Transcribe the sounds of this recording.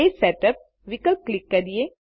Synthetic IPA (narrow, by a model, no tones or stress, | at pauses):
esɛʈəp̚ | ʋikəlklɪkːɐɾije